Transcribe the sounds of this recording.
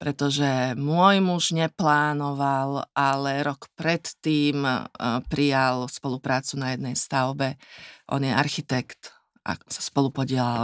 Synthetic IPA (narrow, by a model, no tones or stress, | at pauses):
pɾɛt̪ɔʒɛmʊɔjmuʒɲɛplaːnɔʋalʔalɛɾɔkpɾɛt̪ːiːmpɾijalspɔlupɾaːt͡sunajɛd̪nɛjst̪aʊbɛʔɔ̰njɛaɾxit̪ɛkt̪ | ʔa̰sḁspɔlupɔɟɪɛlal